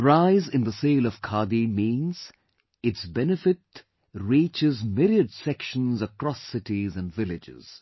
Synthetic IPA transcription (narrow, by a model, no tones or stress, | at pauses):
ɹaɪzɪ̃nd̪əseːlɔv̥kʰaːd̪imĩːnz̥ | ɪʈsbɛnɪfɪt | ɹiːt͡ʃɪzmɪɾiəɖsɛkʃə̃nzəkɾɔsɪʈizæ̃nvɪlɪd͡ʒɪ̰z̥